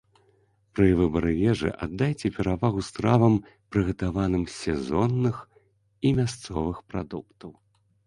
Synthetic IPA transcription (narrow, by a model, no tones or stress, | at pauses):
pɾɨvɨbɐɾɨjɛʐɨ̰ʔa̰d̪ːajt͡sʲɛpʲɛɾavaɣust̪ɾavɐm | pɾɨɣɐt̪avanɨmsʲɛzɔnːɨx | imʲast̪sɔvɨxpɾa̰d̪ukt̪ɐw